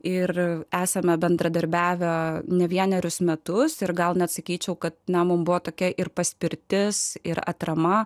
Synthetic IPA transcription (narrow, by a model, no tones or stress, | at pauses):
ɪɾæːsɐmʲɛbʲɛnd̪ɾɐd̪ɐɾʲbʲæːʋʲɛnʲɛʋʲiɛnʲɛɾʲʊsmʲɛt̪ʊsɪɾɡɐlˠnʲɛɐt̪sɐkʲiːt͡ʃʲɛʊkɐt̪̚nʲɛmʊmbʊʋoːt̪oːkʲɛʔɪrpɐsʲpʲɪɾʲt̪ʲɪsɪɾɐ̰t̪ɾɐmɐ